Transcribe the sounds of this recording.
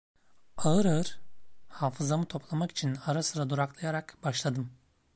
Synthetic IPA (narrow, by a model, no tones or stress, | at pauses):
aɯɾaɯɾ̥haːfɯzamɯt̪ʰo̞plˠamaki̥t͡ʃʰinaɾasɯɾad̪uɾaklˠajaɾakbaʃlˠad̪ɯm